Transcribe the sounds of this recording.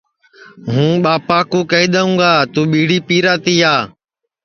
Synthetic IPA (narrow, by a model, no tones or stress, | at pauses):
ɦũːɓaːpaːkũːkəiːɗ̪əũːɡaːt̪ũːɓiːɽiːpiːɾaːt̪iːaː